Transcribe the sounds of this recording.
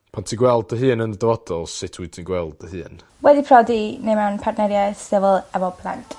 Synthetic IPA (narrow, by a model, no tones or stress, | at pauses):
pʰantʰiɡwɛlˠd̚əɦɨːnənədəvɔdɔlˠsɪtʰwitʰiɡwɛlˠdəhɨːn | wɛdipʰrɔdinemanpʰartnɛɾjasɪvəlˠɛvɔpʰla̰ntʼ